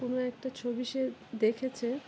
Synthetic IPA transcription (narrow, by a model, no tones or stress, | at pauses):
onoɛk̚ʈat͡ɕʰobiʃed̪ekʰet͡ɕʰe